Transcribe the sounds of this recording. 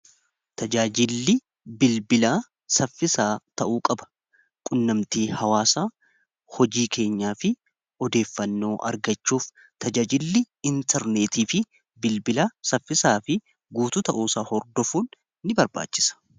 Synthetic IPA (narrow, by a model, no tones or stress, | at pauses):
t̪ɐd͡ʒaːd͡ʒɪlːɪ | bɪlbɪlaː | sɐfːɪsaːt̪ɐʔuːkʼɐbɐ̥ | kʼʊnːɐmt̪iːhɐwaːsaː | hɔd͡ʒiːkʰe̞ːɲːaːfɪ | ɔd̪e̞ːfːɐnːo̞ːʔɐ̰ɾɡɐt͡ʃːuːf | t̪ʰɐd͡ʒaːd͡ʒɪlːɪ | ɪnt̪ʰɛɾne̞ːt̪iːfɪ | bɪlbɪlasɐfːɪsaːfɪ | ɡuːt̪ʊt̪ɐʔuːsaːhɔɾd̪ɔfuːnː | ɪbɐɾba̰ːt͡ʃːɪ̥sɐ̥